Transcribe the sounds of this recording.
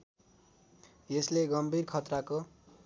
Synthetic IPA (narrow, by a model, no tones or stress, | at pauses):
jesleɡʌmbʱirkʰʌt̪rako